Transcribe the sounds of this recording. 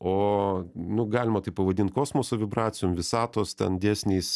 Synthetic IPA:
oːnʊɡɑːlʲɪmɐt̪ɐɪpɐʋɐd̪ʲɪnt̪̚koːsmoːsoʋʲɪbɾɑːt͡s̪ʲɪjoːmʋʲɪsɑːt̪oːst̪ʲɛ̰nd̪ʲæːsʲnʲeːs

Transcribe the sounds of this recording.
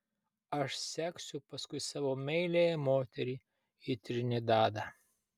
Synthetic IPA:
ɐʃsʲæːksʲʊpɐskʊɪsɑːʋoːmʲɛɪlʲejɛmoːt̪ʲɛɾʲiː | it̪ʲɾʲɪnʲɪd̪ɑːd̪ɑ

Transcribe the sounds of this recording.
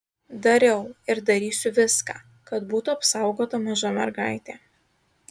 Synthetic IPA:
d̪ɐɾʲɛʊɪɾd̪ɐɾʲiːsʲʊʋʲɪskaː | kɐt̪buːt̪ʊɐpsɑˑʊɡoːt̪ɐmɐʒoːmʲɛɾɡɑˑɪt̪ʲeː

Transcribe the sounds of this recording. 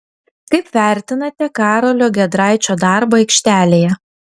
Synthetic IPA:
kɐɪpʋʲæˑɾʲt̪ʲɪnɐt̪ʲɛkɑːɾoːlʲoːɡʲɛd̪ɾɑˑɪt͡ʃʲoːd̪ɑˑɾboːɛɪkʃʲt̪ʲæːlʲeːjɛ

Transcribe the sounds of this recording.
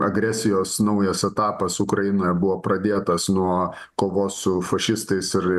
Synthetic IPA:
ɐ̰ɡɾʲæsʲɪjoːsnɐʊjɛsɛt̪ɑːpɐsʊkɾɐjɪnoːjɛbʊʋoːpɾɐd̪ʲeːt̪ɐsnuɔ | koːʋoːsʊfɐʃʲɪst̪ɐɪsɪɾ

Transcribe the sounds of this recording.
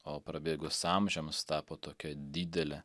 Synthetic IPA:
oːpɾɐbʲeːɡʊsɑmʲʒʲɛmst̪ɑːpoːt̪oːkʲɛd̪ʲiːd̪ʲɛlʲɛ

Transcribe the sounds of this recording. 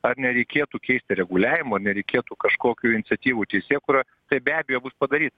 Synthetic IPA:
ɐrnʲɛɾʲɛɪkʲeːt̪uːkʲɛɪsʲt̪ʲɪɾʲɛɡʊlʲæːʋʲɪmuɐrnʲɛɾʲɛɪkʲeːt̪uːkɐʃkoːkʲuːɪnʲɪtsʲɛt̪ʲiːʋuːt̪ʲɛɪsʲeːkuːɾoː | t̪ɐɪbʲæːbʲejoːbʊspɐd̪ɐɾʲiːt̪ɐ

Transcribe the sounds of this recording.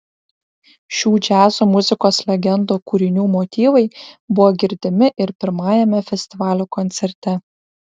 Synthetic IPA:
ʃʲuːd͡ʒʲæːzuːmʊzʲɪkoːslʲɛɡʲɛnd̪uːkuːɾʲɪnʲuːmoːt̪ʲiːʋɐɪbʊʋoːɡʲɪɾʲd̪ʲɪmʲɪʔɪɾpʲɪɾmɑːjɛmʲɛfʲɛsʲt̪ʲɪʋɑːlʲuːkɔnʲt̪sʲɛɾʲt̪ʲɛ

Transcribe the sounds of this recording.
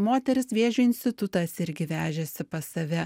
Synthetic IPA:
moːt̪ʲɛɾʲɪsʋʲeɛʒʲʊːɪnʲsʲt̪ʲɪt̪ʊt̪ɐsɪɾʲɡʲɪʋʲæːʒʲɛsʲɪpɐsɐʋʲɛ

